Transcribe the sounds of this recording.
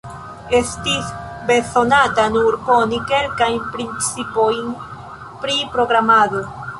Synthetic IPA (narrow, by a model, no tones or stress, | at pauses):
e̞stis | be̞so̞natanuɾko̞nike̞ɾkajnpɾint͡sipo̞jn | pɾipɾo̞ɡɾamado̞